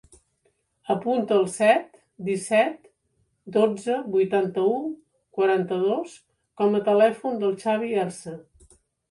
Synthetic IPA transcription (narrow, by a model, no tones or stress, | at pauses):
əpunt̪əːlˠsɛt̪ | d̪isɛt̪ | d̪od͡zəbujt̪ant̪əu | kwəɾant̪əðos | kɔmət̪əlɛfund̪əlˠt͡ʃaβ̞iɛrsə